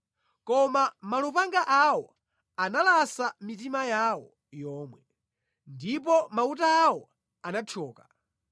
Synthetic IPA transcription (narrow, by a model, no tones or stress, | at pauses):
kɔmamalupaŋɡaʔawɔ | analasamitimajawɔ | jɔːmwɛ | ndip̬ɔmautaːwɔ | anat͡ʃʰɔːkḁ